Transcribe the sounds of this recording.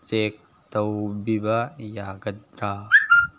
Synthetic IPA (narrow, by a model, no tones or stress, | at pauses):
t͡ʃeːk̚ | t̪ɐwbibɐjaːɡɐd̪ɾaː